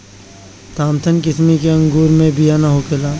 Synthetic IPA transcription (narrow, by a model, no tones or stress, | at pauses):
t̪aːmt̪ʰənkɪsmikeɐ̃ŋɡuːɾmẽbʱijanaɦokʰɪlaː